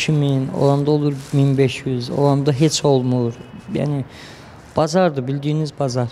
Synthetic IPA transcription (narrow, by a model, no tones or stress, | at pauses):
cʰimino̰lˠamd̪aolˠuɾminbɛʃjyzo̰lˠamd̪aɦet͡ʃʰo̞lˠmuɾja̰ːni | b̥ɑzɑɾd̪ɯbilʲd̪iːnizbɑzɑɾ